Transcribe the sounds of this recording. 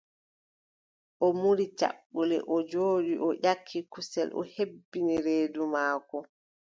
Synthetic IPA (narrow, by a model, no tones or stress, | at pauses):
ʔɔmuɾit͡ʃa̰ɓːulɛ̰ʔɔd͡ʒoːɗiʔɔʔakʰːikusɛlʔɔ̰hebːiniɾeːdumaːkɔ